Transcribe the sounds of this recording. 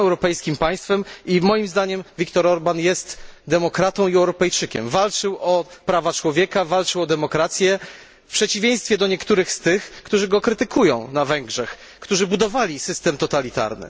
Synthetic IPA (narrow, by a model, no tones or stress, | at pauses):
ɛwɾɔpɛjskʲimpaj̃st̪fɛmimɔjimzd̪aɲɛmvʲikt̪ɔɾɔɾbanjɛst̪d̪ɛmɔkɾat̪ɔ̃w̃iɛwɾɔpɛjt͡ʂɘkʲɛ̰mvalt͡ʂɘwʔɔpɾavat͡ʂwɔvʲjɛkavalt͡ʂɘwɔd̪ɛmɔkɾat̪sʲjɛ | pʂɛt͡ɕivʲjẽj̃st̪fʲjɛd̪ɔɲɛkt̪uɾɘxst̪ɘxkt̪uʐɘɡɔkɾɘt̪ɘkʰujɔ̃w̃navɛŋɡʐɛx | kt̪uʐɘbud̪ɔvalʲisɘst̪ɛmt̪ɔt̪alʲit̪a̰ɾnɘ̰